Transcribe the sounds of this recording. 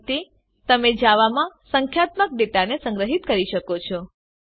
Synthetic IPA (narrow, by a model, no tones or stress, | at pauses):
t̪i | t̪əmed͡ʒaʋamãsəŋkʰjat̪mək̚ɖet̪anesə̃ŋɡɾəɦit̪kəɾiʃəkot͡ʃʰɔ